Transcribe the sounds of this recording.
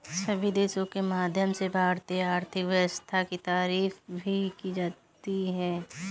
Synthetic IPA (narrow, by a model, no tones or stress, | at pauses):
səbʱid̪eːʃõkemaːd̪ʱjəmsebʱaːɾt̪iaːɾt̪ʰɪkʋəst̪ʰakit̪aːɾiːfbʱikid͡ʒaːt̪iɦɛː